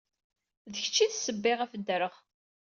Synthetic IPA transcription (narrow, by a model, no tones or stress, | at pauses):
ðəçə̥t͡ʃːiðsəbːɪʁæfəd̪ːɾəʁ